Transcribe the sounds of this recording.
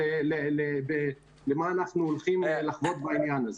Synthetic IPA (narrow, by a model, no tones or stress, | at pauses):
elelebe | lemaːnaχnuolχimelaχvo̞t̪̚bainjanaz